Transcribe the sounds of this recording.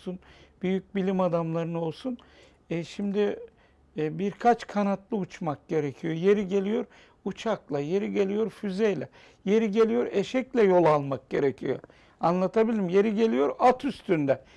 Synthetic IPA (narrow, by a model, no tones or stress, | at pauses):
sunb̥yjyc̚bilʲimad̪amlˠaɾɯno̞lˠsun | ʃimd̪i | biɾkʰat͡ʃkʰanat̪lˠɯut͡ʃmak̚ɟe̞ɾecʰijo̞je̞ɾiɟe̞lʲijo̞ɾ | ut͡ʃʰaklˠaje̞ɾiɟe̞lʲijo̞ɾfyzejlʲɛ | je̞ɾiɟe̞lʲijo̞ɾeʃɛclʲɛjo̞lˠalˠmak̚ɟe̞ɾecʰijo̰ | anlˠat̪ʰabilʲimje̞ɾiɟe̞lʲijo̞ɾat̪ʰyst̪ʰynd̪ɛ